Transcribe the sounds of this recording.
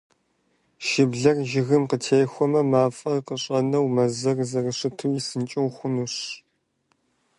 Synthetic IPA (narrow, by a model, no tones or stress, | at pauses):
ʃɪbɮɐrʒɪɣɨmqətʰeːxʷɔmɐmaːfʼɐrqəɕʼɐnɐwmɐzɐrzɐrɨɕɪtʰuwjisɨnt͡ʃʼɪwxʷʊnuɕ